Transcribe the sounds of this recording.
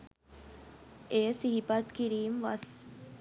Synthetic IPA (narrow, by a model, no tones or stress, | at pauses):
ejəsiɦipat̪kiɾiːmʋɐs